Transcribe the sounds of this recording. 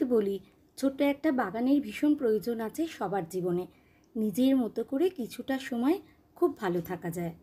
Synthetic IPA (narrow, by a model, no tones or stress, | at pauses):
boli | t͡ɕʰoʈːoɛk̚ʈabaɡaneɾbʱiʃonpɾojod͡ʑonat͡ɕʰeʃɔbaɾd͡ʑibone | nid͡ʑeɾmɔt̪okoɾekit͡ɕʰuʈaʃɔmɔe | kʰubːʱalot̪ʰakad͡ʑae